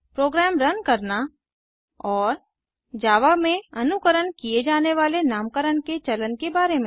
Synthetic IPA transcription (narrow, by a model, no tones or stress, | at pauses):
pɾoːɡɾɛːmɾɐnkɐɾna | ɔːɾ | d͡ʒaːʋamẽɐnʊkəɾənkijed͡ʒaːneʋaːlenaːmkəɾənket͡ʃɐlənkebaːɾemẽ